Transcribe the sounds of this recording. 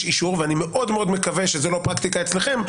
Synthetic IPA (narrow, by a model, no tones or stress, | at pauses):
ʃiʃuʁveanimeʔo̞d̪meo̞d̪me̞kaveʃezelo̞pʁakt̪ikaet͡sleχe̞m